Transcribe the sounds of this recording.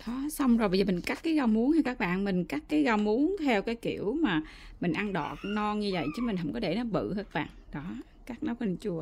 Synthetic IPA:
ɗɔ˨˦sa˧wŋ͡mzo˨˩ɓə˧zəː˨˩mï˨˩ŋ̟ka˦˥t̚kːaː˨˦jɣa˧wmu˨˦ənha˨˧˩kaː˦˥k̚ɓa̰ː˧˨nmï˨˩ŋ̟ka˦˥k̚kaː˨˦jɣa˧wmu˨˦ənt̪ʰɛ˧wkaː˨˦jki˧˩əwmaː˨˩mï˨˩ŋ̟ʔa˧nɗɔ̰˧˨nɔ˧ɲɨ˧və̰˧˨jt͡ɕɨ˨˦mi̟˨˩ɦə̰˧˩ŋ͡mkɔ˨˦ɗ̪e˧˩nɔ˨˦vɨ̰˧˨haː˦˥k̚ɓa̰ː˧˨nɗɔ˨˦ | kaː˦˥k̚na˨˦wt͡ɕu˧˩ə

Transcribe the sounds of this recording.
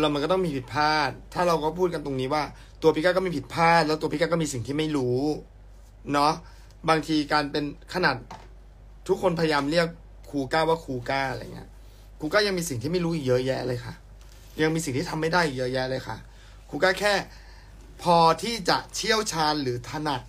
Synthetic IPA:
la˧˦˩ma˧nkɔ˥˩t̪ɔ˥˩ŋmiː˧pʰi˨˩t̪̚pʰaː˥˩t̪ʰːaː˥˩ɾa˧wkɔː˥˩pʰuː˥˩ka˧nt̪o˧ŋniː˦˥waː˥˩ | t̪u˧ɐpʰi˦˥kaː˥˩kɔː˥˩miː˧˩pʰi˨˩t̪̚pʰaː˥˩t̪̚lɛ˦˥t̪u˧pi˦˥kaː˥˩kɔː˥˩miː˧si˨˩ŋt̪ʰiː˥˩ma˥˩jɾuː˦˥ | nɔ˦˥ | baː˧ŋt̪ʰiː˧kaː˧npe˧nkʰa˧naː˨˩t̪̚ʰː | u˦˥kʰːo˧npʰa˧ja˧jaː˧mli˥˩əkʰː | uː˧kaː˥˩waː˥˩kʰuː˧kaː˥˩aɾa̰˧j̰ŋḭ˦˥ɐ | kʰuː˧kɔː˥˩ja˧ŋmiː˧si˨˩ŋt̪ʰiː˥˩ma˥˩jɾuː˦˥ʔi˨˩k̚jɤ˦˥jɛ˦˥ʔa˧lɤː˧jkʰa˥˩ | ja˧ŋmiː˧si˨˩ŋt̪iː˥˩a˧mːa˥˩jda˥˩ji˨˩jɤ˦˥jɛ˦˥ʔlɤː˧jkʰa̰˥˩ | kʰuː˧kaː˥˩kʰɛː˥˩ | pʰɔː˧t̪ʰiː˥˩t͡ɕa̰˨˩ʔt͡ɕʰi˥˩əwt͡ɕʰaː˧˥nlɯː˩˦t̪ʰa˧na˨˩t̪̚

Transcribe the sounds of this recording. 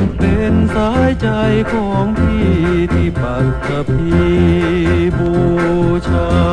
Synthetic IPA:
pe˧nsaː˦˥jt͡ɕa˧jkʰɔː˩˦ŋt̪ʰiː˥˩t̪ʰiː˧˥˩ba˨˩t̪̚ka˧˩pʰːiː˧ | boː˧˩t͡ɕʰaː˧

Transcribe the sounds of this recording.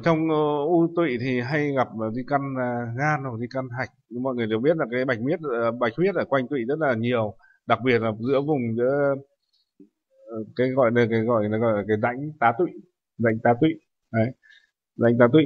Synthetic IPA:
t͡ɕɔ˧wŋ͡mʔu˧t̪wḭ˧˨t̪ʰi˨˩ɦa˧jɣa˨˩p̚ːzi˧ka˧n˨˩ɣaː˧nwk̚zi˧ka˧nɦa˨˩jk̟̚mɔ̰˧˨ŋɨ˨˩t̪̚ːɓi˦˥ət̚laː˨˩kaː˨˦jɓa˨˩jk̟̚mi˦˥ət̚ːɓa˨˩jk̚mi˦˥ət̚ʔəː˧˩kwa˧jŋ̟t̪wḭ˧˨zə˦˥t̚laː˨˩ɲi˨˩əw | ɗa˨˩k̚ɓi˨˩ət̚laː˨˩zɨ̰˧˥əvʊ˨˩ŋ͡mzɨ̰˧˥ə˨ | kaː˨˦jɣɔ̰˧˨jɗə˧˩kaː˨˦jɣɔ̰˧˨jna˨˦ɣɔ̰˧˨jlaː˨˩kaː˨˦jza̰˧˥jŋ̟t̪aː˨˦t̪wḭ˧˨ | za̰˧˨jŋ̟t̪aː˨˦t̪wḭ˧˨ | ʔə˨˦j | za̰˧˥jŋt̪aː˨˦t̪wḭ˧˨

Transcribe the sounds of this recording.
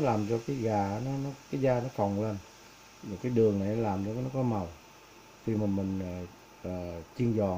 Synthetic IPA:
laː˨˩mt͡ɕɔ˧kaː˨˦jɣaː˨˩˦nɔ˨˦nɔ˨˦kaː˨˦jzaː˧nɔ˨˦k̪ɔ˨˩ŋle˧n | ma˨˩kaː˨˦jɗɨ˨˩əŋna˨˩jnɔ˨˦laː˨˩mzɔ˧˨˦nɔ˨˦kɔ˨˦ma˨˩w | kʰi˧maː˨˩mï˨˩ŋ̟aː˨˩ | əː˨˩t͡ɕi˧əŋzɔ̰˨˩

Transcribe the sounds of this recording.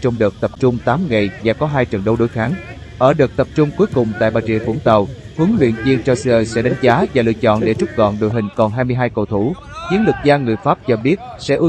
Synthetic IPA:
t͡ɕɔ˧wŋ͡mɗɨː˨˩k̚t̪ə˨˩p̚t͡ɕʊ˧ŋ͡mt̪aː˨˦mŋa˨˩jvaː˨˩kɔ˨˦ɦaː˧jt͡ɕə˨˩nɗə˧wɗo˨˦jxaː˨˦ŋ | ʔəː˧˩ɗɨː˨˩k̚t̪ə˨˩p̚t͡ɕʊ˧ŋ͡mku˨˦jkʊ˨˩ŋ͡mt̪a̰ː˧˨jɓaː˨˩jt͡ɕḭ˧˨əfṵ˧˩əŋt̪ə˨˩w | hɨ˨˦əŋlwḭ˧˨ənvi˧ənt͡ɕɔ˧sɨ˧əː˧jsɛ̰˧˥ɗa˨˦jŋ̟zaː˨˦vaː˨˩lɨ̰˧ət͡ɕɔ̰˧˨nɗe˧˩t͡ɕʊ˦˥p̚ɣɔ̰˧˨nɗo̰˧˨jɦï˨˩ŋ̟kɔ˨˩nɦaː˧jmɨ˧əjɦaː˧jko̰˧˩t̪ʰu˧˩ | zi˨˦nlɨ˨˩k̚zaː˧ŋɨ˨˩əjfaː˦˥p̚t͡ɕɔ˧ɓi˦˥ət̚sɛ̰˧˥ʔɨ˧

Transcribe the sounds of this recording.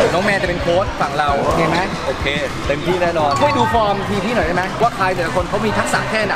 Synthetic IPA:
nɔː˨˦˥ŋmɛː˧t͡ɕa˨˩pe˧nkʰoː˦˥t̪̚fa˨˩ŋɾa˧wo˧˩e˧˩ma˦˥ʔoː˧˩kʰeː˧t̪e˧mpʰuː˥˩daː˥˩nɔː˧nkʰa˥˩jduː˧fɔː˧mt̪ʰiː˧pʰiː˥˩nɔ˨˩jda˥˩ma˦˥waː˥˩kʰlaː˧jlɯ˨˩˦a˦kʰo˧nkʰa˦˥wmiː˧t̪ʰa˦˥k̚sa̰ː˨˦kʰɛː˥˩na˦˧˩

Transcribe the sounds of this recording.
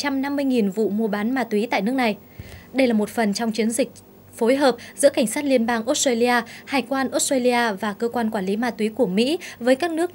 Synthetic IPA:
t͡ɕa˧mna˧mːɨ˧əjŋi˨˩nvṵ˧˨mu˧˩əɓaː˨˦nmaː˧˩t̪wi˨˦t̪a̰ː˧˨jnɨ˦˥ək̚na˨˩j | ɗə˧jlaː˨˩mo˨˩t̚fə˨˩nt͡ɕɔ˧wŋ͡mt͡ɕi˨˦ənzï˨˩k̟̚ | fo˨˦jɦəː˨˩p̚zɨ̰˧˥əka˧˩ŋ̟saː˦˥t̚li˧ənɓaː˧ŋʔo˦˥t̚stwa˧li˧ʔaː˧haː˨˩jkwaː˧nʔo˦˥stweː˧li˧aː˧vaː˨˩kəː˧kwaː˧nkwaː˧˩nli˨˦maː˧t̪wi˨˦ku˧˩əmḭ˧˥vəː˨˦jkaː˦˥k̚nɨ˦˥ək̚

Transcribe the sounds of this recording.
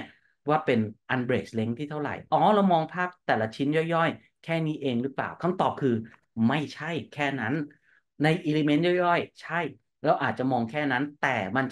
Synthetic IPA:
waː˥˩pe˧nʔa˧nbɾeː˨˩sle˦˥ŋt̪ʰiː˥˩t̪ʰa˥˩wɾa̰˨˩jʔɔː˦˥ɾa˧wmɔː˧ŋpʰaː˥˩k̚t̪ɛː˨˩la˧t͡ɕʰi˦˥njɔ˥˩jːɔ˥˩j | kʰɛː˥˩niː˦˥ʔeː˧ŋɾɯ˦˥pla̰ː˨˩wkʰa˧˥˩mt̪ɔː˨˩p̚kʰɯː˧ | ma˥˩jt͡ɕʰa˥˩jkʰɛː˥˩na˦˥nː | a˧jʔiː˧le˧me˦˥njɔ˥˩jɔ˥˩jt͡ɕʰa˥˩j | lɛː˧˥wʔaː˨˩t̪̚t͡ɕa˨˩mɔː˧ŋkʰɛː˥˩na˦˥nt̪ɛː˨˩ma˧nt͡ɕ

